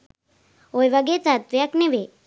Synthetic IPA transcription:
ojʋaɡet͡sat̪ʋijakneʋe

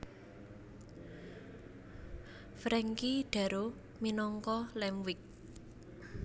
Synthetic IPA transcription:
fɾɛŋkiɖ̥a̤ɾo | minɔŋkɔlɛmwɪk̚

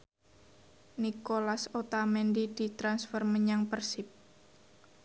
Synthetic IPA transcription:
nikolasot̪amɛndid̪̥i̤t̪ɾansfɔrməɲaŋpərsɪp̚

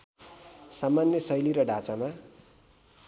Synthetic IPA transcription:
samanjʌsʌjliɾʌɖʱat͡sama

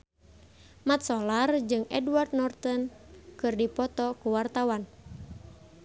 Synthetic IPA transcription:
mat̪̚sɔlard͡ʒɨŋɛ̰dward̪̚nɔrt̪ənkɨrdipɔt̪ɔkuwart̪awan

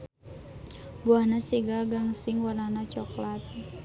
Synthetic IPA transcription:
buahnasiɡaɡaŋsɪŋwarnanat͡ʃɔklat̪̚

